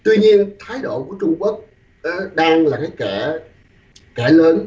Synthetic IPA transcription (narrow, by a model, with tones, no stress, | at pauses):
t̪wi˧ɲi˧ənt̪ʰaː˨˦jɗo̰˧˨ku˧˩ət͡ɕʊ˧ŋ͡mku˦˥k̚ | ʔaː˨˦ɗaː˧ŋlaː˨˩kaː˨˦jkɛ˧˩ | kɛ˧˩ləː˨˦n